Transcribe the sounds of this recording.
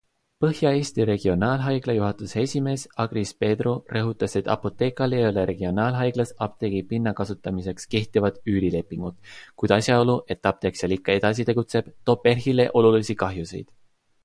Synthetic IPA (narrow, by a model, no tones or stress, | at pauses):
pɤhjɑe̞ːst̪iɾe̞ɡ̥io̞nɑːlɦɑjɡ̥lɑjuɦɑt̪ˑuse̞sʲime̞ːsɑɡ̥ɾispe̞ːd̪rorɤɦut̪ːˑɑse̞t̪ːˑɑ̰po̞t̪ˑe̞ːkˑɑle̞jo̞le̞ɾe̞ɡ̥io̞nɑːlɦɑjɡ̥lɑsɑp̚t̪e̞ɡipinːɑkɑsut̪ːˑɑmise̞kske̞ht̪ivɑd̪̥yːɾile̞pːˑiŋɡ̥ut̪kujd̪̥ɑsjɑo̞luʔe̞t̪ːɑp̚t̪e̞ksjɑlikːˑɑe̞d̪̥ɑs̬it̪e̞ɡut̪se̞b̥t̪o̞ːpːe̞rɦile̞ʔo̞lulisikɑɦjuse̞̰jd̪̥